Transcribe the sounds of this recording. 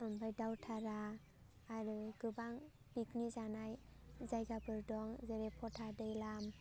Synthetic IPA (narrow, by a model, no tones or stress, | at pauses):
ɯmbajdawtʰaɾaː | ɾɯɡ̥ɯbaŋ | b̥iknizanajzajɡabɯɾdɔŋzeɾepʰɔtʰadɯjlam